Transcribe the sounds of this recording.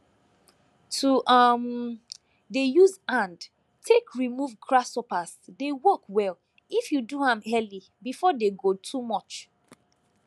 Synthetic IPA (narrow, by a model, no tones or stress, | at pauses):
tʰuʔam | dejuzãnd | tʰekʰɹimuvkɹasɔpaz̥dewɔkwɛl | ifjuduãmɛli | bifɔdeɡotʰumɔt͡ʃ